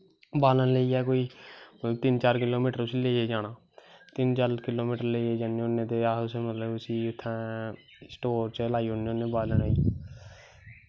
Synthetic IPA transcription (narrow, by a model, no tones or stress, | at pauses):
baːlənleiːɛːkoːiːmət̪ləbt̪ɪnt͡ʃaːɾkɪloːmiːʈəɾʊsiːleːeːd͡ʒaːnaː | t̪ɪnt͡ʃəlkɪloːmiːʈəɾleːieːd͡ʒaːneːʊnːẽːt̪eːaʊseːmət̪ləbʊsiːʊt̪ʰːɛ̃ː | sʈoːɾt͡ʃlaːiːɦʊneonːẽːbaːlənəːiː